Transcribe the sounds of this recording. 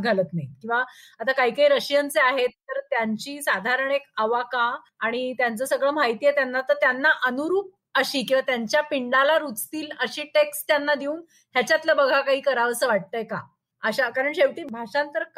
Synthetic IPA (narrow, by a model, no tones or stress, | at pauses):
ɡʱalət̪najkĩw̃ʋaat̪akaɦiːkaiɾəɕijənt͡seaɦet̪ːəɾt̪jaɲt͡ɕiːsad̪ʱaɾəɳekaʋakaː | ɽ̃it̪jant͡səːsəɡɭəːmaɦjt̪ijet̪janːat̪əɾt̪janːaʔənuɾuːp̚ | əɕiːkĩw̃ʋat̪jaɲt͡ɕjapiɳɖalaɾut͡st̪iːləɕiːʈekst̪janːad̪iuːn | ɦjat͡ɕjat̪ləbəɡʱakaɦiːkəɾaʋsəːʋaʈ̚t̪əjka̰ | əɕakaɾəɳɕeʋʈiːbʱaʂãnt̪əɾk